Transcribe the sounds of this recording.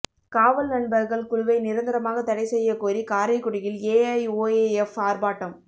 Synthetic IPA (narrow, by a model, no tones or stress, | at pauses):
kaːʋɐlnɐɳbɐɾɣɐɭkʊɻʊʋɐɪnɪɾɐnd̪ɪɾɐmaːɣɐt̪ːɐɽɐɪsɛjːɐkoːɾikaːɾɐɪkːʊɽɪjɪleːɐɪoːeɛfaːɾbaːʈːɐm